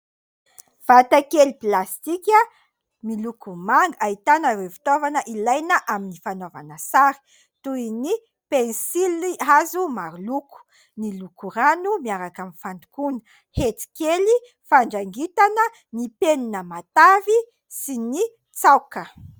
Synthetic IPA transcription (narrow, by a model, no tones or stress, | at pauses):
v̥at̪akeliplast̪ikʲə | milukumaŋɡait̪anəɾewfi̥t̪ovanəʔilajnəʔaminifanovanəsaɾi̥ | t̪uini | pensiliazumaɾuluku̥ | nilukuɾanumiaɾakamifand̪u̥kunə̥ | het͡si̥keli | faɳɖ͡ʐaŋɡit̪anə | nipeninəmat̪avi | sini | t͡sawkə